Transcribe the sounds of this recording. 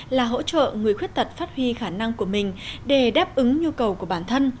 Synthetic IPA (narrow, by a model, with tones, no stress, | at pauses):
laː˨˩ɦo̰˧˥t͡ɕə̰ː˧˨ŋɨ˨˩əjxwi˦˥ət̚t̪ə˨˩t̚faː˦˥t̚hwi˧xaː˧˩na˧ŋku˧˩əmï˨˩ŋ̟ɗe˧˩ɗaː˦˥p̚ʔɨ˨˦ŋɲu˧kə˨˩wku˧˩əɓaː˧˩nt̪ʰə˧n